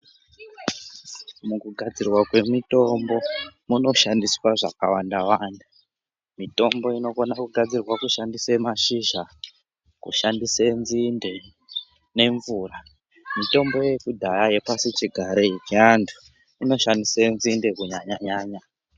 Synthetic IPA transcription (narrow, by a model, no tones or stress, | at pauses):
mukuɡʱad͡zirwakwe̞mito̞mbo̞muno̞ʃandiswaʐa̰kawandawanda | mito̞mbo̞ino̞konakuɡʱad͡zirwakuʃandisemaʃiʒa | kṵʃandisenzinde̞ | ne̞ɱvura | mito̞mbo̞jekudʱajaje̞pasit͡ʃiɡʱaɾeit͡ʃiantʰu̥ | ino̞ʃandisenzinde̞kuɲaɲaɲaːɲa